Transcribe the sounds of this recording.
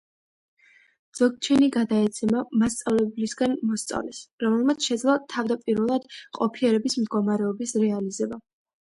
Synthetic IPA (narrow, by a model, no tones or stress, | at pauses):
d̪z̥ɔɡ̚t͡ʃʰɛniɡad̪aɛt̪sʰɛmamast̪sʼavlɛblisɡanmɔst̪sʼa̰vlɛsɾɔmɛlˠmat̪sʰʃɛd̪zlˠat̪ʰavd̪apʼiɾvɛlˠad̪̥qʼɔpʰiɛɾɛbismd̪ɡɔmaɾɛɔbisɾɛalizɛba